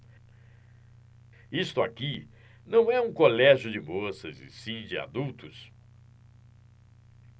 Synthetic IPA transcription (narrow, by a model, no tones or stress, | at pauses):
ist̪ʊaki | nɐ̃w̃ɛũkolɛʒjʊd͡ʒɪmosɐzɪ̰̃sĩd͡ʒɪa̰d̪uwt̪ʊs